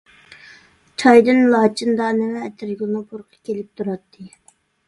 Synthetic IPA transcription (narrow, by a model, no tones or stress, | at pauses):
t͡ʃʰɑjd̪ɨnlˠɑːt͡ʃʰind̪ɑnɪwɛɛt̪ʰɪɾɡʲˠnɨpuɾqʰə̥kʲelɪp̚t̪ʰuɾɑt̪ʰːɨ